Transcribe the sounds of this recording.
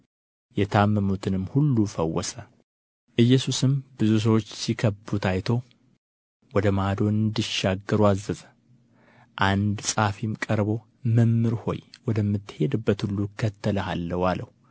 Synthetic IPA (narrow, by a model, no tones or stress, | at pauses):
jɛt̪ʰamːəmut̪ʰɨnɨmːhulːufəwːɔsə | ʔɨjːɛsusɨmbɨzus̬əwot͡ʃːsikʰəbut̪ʰajt̪ʰo̞ | wɔd̪əmad̪o̞nɨnd̪ɨʃːaɡːɨɾuazːəzə | ʔand̪sʼafimkʼəɾbo̞ | məmːɨɾho̞̰jwɔd̪əmːɨt̪ːɨhe̞d̪ɨbːət̪hulːukʰːət̪ʰːələhalːəwaləhu